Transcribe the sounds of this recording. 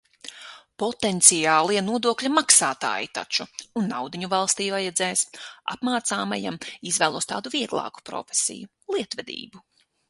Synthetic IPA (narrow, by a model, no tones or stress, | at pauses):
pɔt̪ent̪sijaːlˠiɛnuɔd̪uɔklʲamaksaːt̪a̰ːjit̪a̰t͡ʃuunːawd̪iɲuvalˠst̪iːvajad̪zɛːjsa̰pmaːt̪saːmaja̰mizvæːlˠuɔst̪aːd̪uviɛɡlˠa̰ːku̥pɾɔ̰fe̥sḭju | lˠiɛt̪vɛd̪ḭːbu